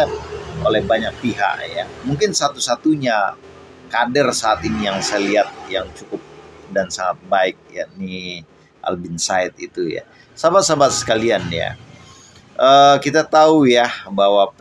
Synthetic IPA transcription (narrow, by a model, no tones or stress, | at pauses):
olɛhbaɲak̚piɦa̰ʔjamuŋkɪnsat̪usat̪uɲa | kadɛrsaːt̪inijaŋsajaliat̪̚jaŋt͡ʃukʊp̚dansaŋat̪̚baɪk̚jani | ʔa̰lbɪnsaɪt̪̚it̪uja̰ | sabat̪̚sabat̪̚sə̥kalianja̰ | ʔəkit̪at̪aujabawa